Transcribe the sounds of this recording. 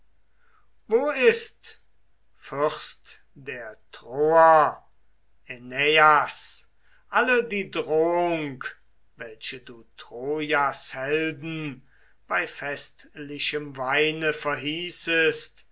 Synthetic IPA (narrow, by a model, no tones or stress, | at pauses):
voːɪst | fʏʁst | d̥eːɐtʁoːɐ | eneas | ʔalədiːdʁoːʊŋk | vɛlʃəduːtʁ̥oːjashɛldn̩ | b̥aɪfɛstlɪʃəmvaɪnəfɛɐɦiːsəst